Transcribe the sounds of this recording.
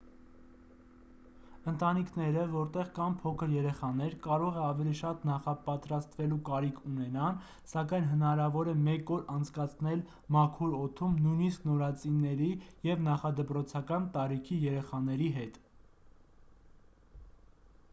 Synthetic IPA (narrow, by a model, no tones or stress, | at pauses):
ənt̪ɑnikʰnɛɾəvɔɾt̪ɛʁkɑnpʰɔkʰəɾjɛɾɛχɑnɛɾkɑɾɔʁɛɑvɛliʃɑt̪nɑχɑpɑt̪ɾɑst̪vɛlukɑɾikʰunɛnɑn | sɑkɑjnɦənɑɾɑvɔɾɛmɛkɔɾɑnt͡sʰkɑt͡sʰnɛl | mɑkʰuɾɔt̪ʰumnujnisknɔɾɑt͡sinɛɾijɛvnɑχɑd̪əpɾɔt͡sʰɑkɑnt̪ɑɾikʰijɛɾɛχɑnɛɾiɦɛt̪